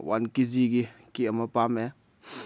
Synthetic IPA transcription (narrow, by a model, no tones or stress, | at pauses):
wa̰nkiziɡikiɐmɐpame